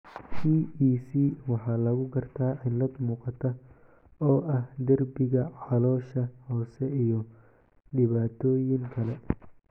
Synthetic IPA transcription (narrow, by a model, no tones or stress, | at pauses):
t͡ʃʰiːiːsiːwɑħɑːlɐɣʊɡɐrt̪ʰaːɐjlɐd̪muːqɑt̪ʰɐ | ɔːʔɐhd̪ɐrbɪɣɐʕɑlɔːʃɐhɔːsɛijɔ | ɖɪβaːt̪ʰɔːjɪŋkʰɐlɛ